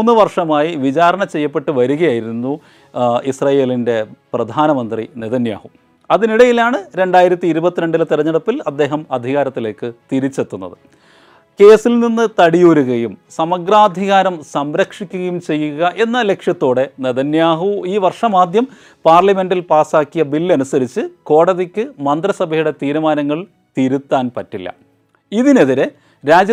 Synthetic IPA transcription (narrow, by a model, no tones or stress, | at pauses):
nːɨʋɐrʂɐmaːjiʋit͡ɕaːɾɐɳɐt͡ɕe̞jːɐpːe̞ʈːɨʋɐɾuɣɐjaːjiɾunːu | isrɐːje̞ːlinde̞prɐd̪ʱaːnɐmɐnd̪rḭneðɐnja̰ːhu | ɐðiniɽɐjilaːɳɨɾe̞ɳɖaːjiɾɐt̪ːiːɾubɐt̪ːineɳɖilt̪irɐɲːɐɽɐpːilɐd̪ːe̞ːɦɐmɐd̪ʱiɣaːɾɐt̪ːile̞ːkːɨt̪iɾit͡ɕːe̞t̪ːunːɐ̰ðɨ | ke̞ːsilninːɨt̪ɐɽijoːɾuɣɐjumsɐmɐɡraːd̪ʱiɣaːɾɐmsɐmɾɐkʂikʲːuɣɐjumt͡ɕe̞jːuɣɐʔe̞nːɐle̞kʂjɐt̪ːo̞ːɽe̞neðɐnjaːɦuiːʋɐrʂɐmaːd̪jɐm | paːrlɐme̞nɖilpaːsaːkːijɐbilːɐnusɐɾit͡ɕːɨko̞ːɽɐðikʲːɨmɐnd̪rɐsɐbʱɐjuɽe̞t̪iːɾumaːnɐŋːɐɭ | t̪iːɾut̪ːaːnpɐtːilːɐ̰ | iðine̞ðiɾe | ɾaːd͡ʑ